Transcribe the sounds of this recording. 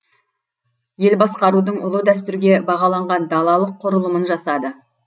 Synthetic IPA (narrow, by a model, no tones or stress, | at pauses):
je̞lbɑsqɑɾud̪əɴʔʊ̰lˠəd̪æs̬t̪ʏɾɡʲe̞bɑʁɑlˠɑɴʁɑnd̪ɑlˠɑlˠəqʰːʊɾəlˠəmənʒɑsɑd̪ə